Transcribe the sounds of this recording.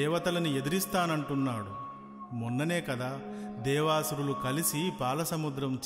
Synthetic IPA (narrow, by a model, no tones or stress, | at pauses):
ɛːʋɐt̪ɐlɐnie̞d̪uɾist̪aːnɐɳʈunːaːɽu | munːɐne̞ːkɐd̪aːd̪ɛːʋaːsuɾulukɐlisipaːlɐsɐmud̪ɾɐmt͡ʃ